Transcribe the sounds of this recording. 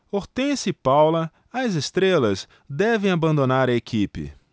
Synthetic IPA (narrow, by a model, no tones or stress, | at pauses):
oɾt̪ẽsɪpawlɐ | ɐzest̪ɾelɐs | d̪ɛvẽj̃abɐ̃nd̪onaɾɐekʰipɪ̰